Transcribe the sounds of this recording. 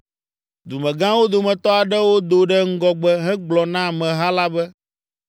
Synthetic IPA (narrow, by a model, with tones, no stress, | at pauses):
d̪u˨mɛ̃˨ɡã˦wo˦d̪o˨mɛ̃˨t̪ɔ˦a˨ɖɛ˦wo˦d̪o˨ɖɛ˦ŋ̩˦ɡɔ˦ɡ͡bɛ˦ɦɛ˦ɡ͡blɔ˨nã˦˨mɛ̃˨ɦa˦la˦bɛ˦